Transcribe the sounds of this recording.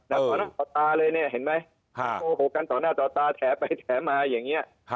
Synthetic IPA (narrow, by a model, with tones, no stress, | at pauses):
na˦˥˩ɔː˨˩˦naː˥˩t̪ɔː˨˩t̪aː˧lɤː˧jni˥˩ɐɦe˩˦nma˦˥jʰ | oː˧ɦoː˨˩ka˧nt̪ɔː˨˩naː˥˩t̪ɔː˨˩t̪aː˧t̪ʰɛː˩˦˥pa˧jt̪ʰɛː˩˦˥maː˧jaː˨˩ŋːi˦˥ɐ˧